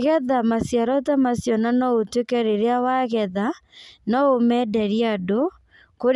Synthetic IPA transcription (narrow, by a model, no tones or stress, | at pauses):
ɣɛðamasjaɾɔtamasjɔnanɔotwekɛɾeɾeawaɣɛðanɔomɛdɛɾiado | koɾ